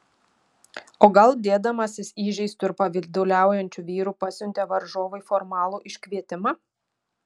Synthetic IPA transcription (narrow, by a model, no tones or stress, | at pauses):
oːɡɐlˠd̪ʲeːd̪ɐmɐsʲɪsiːʒʲɛɪst̪ʊɪɾpɐʋʲɪlʲd̪ʲʊlʲæˑʊjɛnʲt͡ʃʲuʋʲiːɾuːpɐsʲʊnʲt̪ʲɛʋɐɾʒoːʋɐɪfɔɾmɑːlˠuːʔɪʃʲkʲʋʲiɛt̪ʲɪmɑ